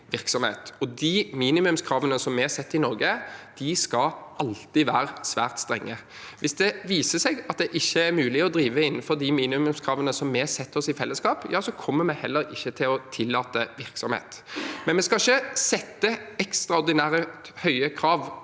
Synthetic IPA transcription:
ʋɪɾksɔmhḛːt̪ɔd̪imiːnɪmʉmskʰɾɑːʋənəsɔmːɛɛsɛt̪ːɪnɔɾɡəd̪̥ɪskɑɑlt̪ɪʋæːɾəsʋæːʁt̪st̪ɾɛŋːə | ʋʔɪsd̪ɛʋiːsəsɛɡɑt̪̚d̪ɛʔɪçːəæɾmʉːlɪɔd̪ɾiːʋəɪnːənfɔʁd̪ɪmiːnɪʉmʉmskʰɾɑːʋənəsɔmːɛsɛt̪ːɔsɪfɛlːəskɑːpjɑːsɔkʰɔmːəmɛhɛlːəɾɪçːət̪ʰɪlɔt̪ʰɪlːɑːt̪əʋɪɾksɔmhḛːt̪mɛnmɛskɑɪçːəsɛt̪ːəɛkst̪ɾɑɔɾd̪ɪnæːɾə | hœʏəkʰɾɑːʋ

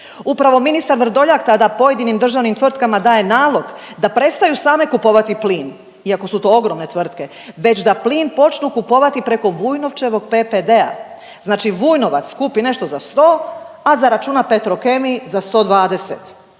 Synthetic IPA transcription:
upɾaʋo̞minist̪aɾʋr̩d̪o̞ʎakt̪ad̪apo̞je̞d̪inimd̪r̩ʒaʋnimt̪ʋr̩t̪kamad̪aːje̞naːlˠo̞ɡ | d̪apɾe̞t̪st̪ajusaːme̞kupo̞ʋat̪ipliːn | iako̞sut̪o̞ːo̞ɡɾo̞mne̞t̪ʋr̩t̪ke̞ | ʋe̞t͡ɕd̪apliːnpo̞t͡ʃnukupo̞ʋat̪ipɾe̞ko̞ʋujno̞ʋt͡ʃe̞ʋo̞ɡ̚peped̪e̞a̰ | znaːt͡ʃiʋuːjno̞ʋa̰t̪skupine̞ʃt̪ozast̪o̞ː | azaɾat͡ʃuːnape̞t̪ɾo̞ke̞mizast̪o̞ːd̪ʋaːd̪e̞set̪

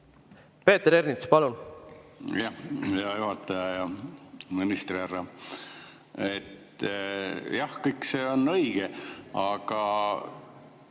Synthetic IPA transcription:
pe̞ːt̪eɾernit̪spɑlun | jɑhjɑjuɦɑt̪ːˑɑjɑjɑminist̪riɑrːɑ | et̪ | jɑhkɤjkse̞o̞nɤjɡ̥eɑɡ̥ɑ

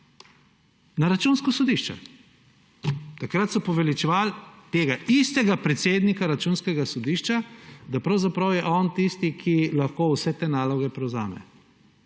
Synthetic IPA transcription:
naɾat͡ʃunskɔsɔd̪iʃt͡ʃɛ̰ | t̪akɾat̪sɔpɔʋɛlit͡ʃɛʋalt̪eːɡaʔist̪ɛɡapɾɛt̪seːd̪nikaɾat͡ʃunskɛɡasɔd̪iːʃt͡ʃad̪apɾawzapɾawjɛʔɔnt̪ist̪ikʰilaxkowsɛt̪eːnaːlɔɡɛpɾɛwza̰ːmɛ̰

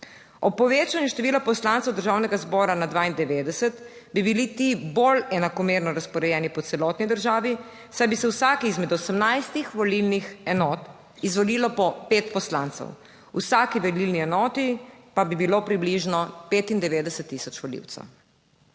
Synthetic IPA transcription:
ɔpːɔʋeːt͡ʃanjuʃt̪ɛʋiːlapɔslaːnt̪sɛwd̪əɾʒaːwnɛɡazbɔːɾanad̪ʋaːind̪ɛʋeːd̪ɛsɛt̪bibilit̪ibolɛnakɔmeːɾnɔɾaspɔɾɛjɛːnipɔt̪sɛlɔːt̪nid̪əɾʒaːʋi | sajbisɛwsaːkiizmɛd̪ɔsəmnajst̪ixʋɔlilnixɛnɔːt̪ | izʋɔliːlɔpɔpeːt̪pɔslant̪sɛ̰w | ṵsaːkiʋɛlilniɛnɔːt̪ipabibilopɾibliʒnɔpeːt̪ind̪ɛʋeːd̪ɛsɛt̪ːisɔt͡ʃʋɔlḭwt̪sɛ̰w

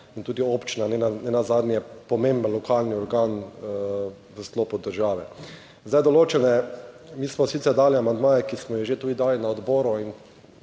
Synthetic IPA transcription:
int̪uːd̪ioːpt͡ʃinanɛnanɛnazaːd̪njɛpɔmẽmbənlɔkaːlniɔɾɡaːn | ʋəst̪lɔːpɔd̪ːəɾʒaːʋɛ | zd̪ajd̪ɔloːt͡ʃɛnɛ | miːsmɔsit̪sɛɾd̪aːliamand̪maːjɛkismɔjɛʒet̪uːd̪id̪aːlinaɔd̪bɔːɾuin

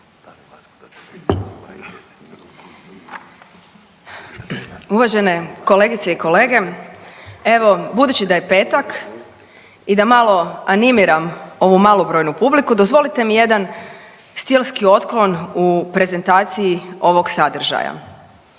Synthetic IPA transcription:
uʋaʒe̞ne̞ko̞le̞ɡit̪seiko̞le̞ːɡe̞ | e̞ʋo̞bud̪uːt͡ɕid̪aje̞pe̞ːt̪ak | id̪amalˠo̞animiɾamo̞ʋumalˠobɾo̞jnupublikud̪o̞zʋo̞lit̪e̞mije̞d̪an | st̪ilskio̞t̪klˠo̞nupɾe̞ze̞nt̪aːt̪siio̞ʋo̞ɡsad̪r̩ʒa̰ja̰

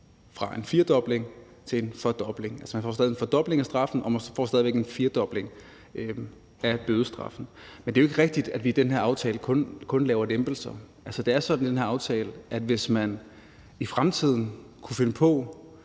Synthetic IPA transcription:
fʁɑ̈ʔe̝nfiːɐd̥ɒ̽b̥le̝ŋ | t͡sʰe̝enfɒ̽d̥ɒ̽b̥le̝ŋælsəmænfɒ̰s̬ðˠe̝en̩fɒd̥ɒ̽b̥le̝ŋæsd̥ʁɑ̈fn̩ɒ̽mænsfɒ̰ːsd̥ɛðˠʋeɡ̥enfiɐd̥ɒ̽b̥le̝ŋ | æb̥øð̞ˠəsd̥ʁɑ̈fn̩mend̥eːoe̝ɡ̥əʁɛɡ̥̚d̥id̥æd̥ʋiːd̥enɦeɐɑ̈ʊt͡sʰɛːləkʰɔ̽nkʰɔ̽nlɛːʊɐdemb̥l̩sɐʔælsəd̥e̝æɐsɒ̽d̥n̩id̥enɦeɐɑʊt͡sʰɛːləʔæd̥ʋe̝smæn | ifʁamt͡sʰið̞̰ˠn̩kʰufe̝nəpʰɒ̽

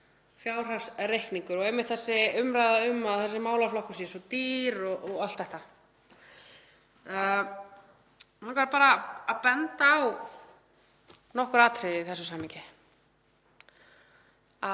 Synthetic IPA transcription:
fjaːwr̥ḁsrejhkniŋkʏɾɔɣejmːɪht̪θɛsːɪʏmɾajðaʏmːaðθɛsːɪmaːwlaflɔhkʏsjɛsɔt̪iːɾɔʔɔɣalt̪θɛht̪a | ankaɾapaːɾaːðpɛnt̪aːw | nɔhkʏɾaːt̪ɾɪðiθɛsʏsaːmːiŋɲcɪ | a

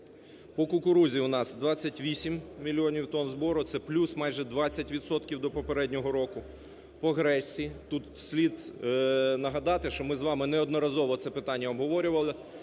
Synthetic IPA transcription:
pɔkʊkʊɾuzʲiʊnɑsd̪ʋɑt͡sʲːɐtʲʋʲisʲimmʲilʲːiɔnʲiwt̪ɔnzbɔɾʊt̪sɛplʲusmɑjʒɛd̪ʋɑt͡sʲːɐtʲʋʲid̪sɔt̪kʲiwd̪ɔpɔpeɾɛdʲnʲɔɦɔɾɔkʊ | pɔɦɾɛsʲit̪ut̪sʲlʲid̪ | nɐɦɐd̪ɑt̪ɪʃt͡ʃɔmɪzʋɑmɪnɛɔd̪nɔɾɐzɔʋɔt̪sɛpɪt̪ɑnʲːɐɔbɦɔʋɔɾʲʊʋɐlˠɪ

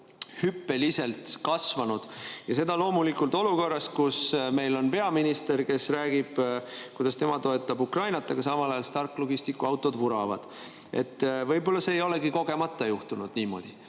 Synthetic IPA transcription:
hypːe̞lise̞lt̪ˑkɑsvɑnud̪̥jɑse̞d̪̥ɑlo̞ːmulikˑult̪ˑo̞luko̞rːɑst̪kusme̞jlo̞npe̞ɑminist̪e̞rke̞sræːɡ̥ib̥kujd̪ɑst̪e̞mɑt̪o̞et̪ˑːɑbukrɑjnɑt̪ːˑɑɡ̥ɑsɑmɑlɑjɑlst̪ɑrkːˑlo̞ɡ̥ist̪ikːˑuɑwt̪ːˑo̞d̪vuɾɑvɑ̰d̪̥ | ḛt̪ːˑvɤjbo̞lːɑse̞ːjo̞leɡiko̞ɡ̥e̞mɑt̪ːˑɑjuht̪unud̪̥niːmo̞̰d̪̥i

